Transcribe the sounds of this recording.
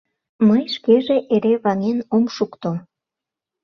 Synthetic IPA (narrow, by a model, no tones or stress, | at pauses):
məjʃkeʒeʔeɾeβɑŋenomʃukt̪o